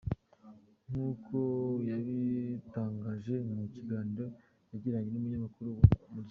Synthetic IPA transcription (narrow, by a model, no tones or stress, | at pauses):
ŋ̥ukʰo̞jaβitaːŋɡaːʒe̞muciɡaːniɾo̞ | jaɟiɾaɲenumuɲamakuɾumu